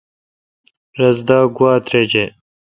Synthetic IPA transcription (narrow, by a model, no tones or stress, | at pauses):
ɾɐzd̪ɑːɡwaːt̪ɾed͡ʑe